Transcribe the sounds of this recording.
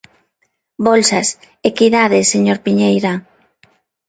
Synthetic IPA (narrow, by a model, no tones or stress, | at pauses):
bolsas | ekiðaðeseɲoɾpiɲejɾa